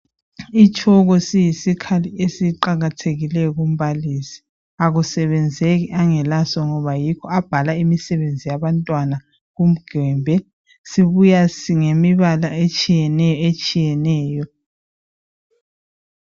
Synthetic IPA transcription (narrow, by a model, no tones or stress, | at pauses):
it͡ʃʼʰɔɣɔsijisikʰaliesiǃaɣatʰeɣilɛjɔɣum̩βalisi̥ | aɣusɛβɛnd͡zʱeɣiʔaŋɛlasɔŋɔβajikʰɔab̥ʱalaimisɛβend͡zʱijaβantʼwana | ɣum̩ɡ̥ʱɛːmbʱɛ | siβujasiŋemiβalaet͡ʃʼijɛnɛjɔet͡ʃʼijɛnɛːjɔ